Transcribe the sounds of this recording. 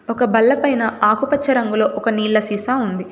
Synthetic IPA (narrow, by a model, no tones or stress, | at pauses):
ɔkɐbɐlːɐpɐjnɐʔaːkupɐt͡ʃːɐɾɐŋɡulo̞ːʔɔkɐniːlːɐsiːsaːund̪i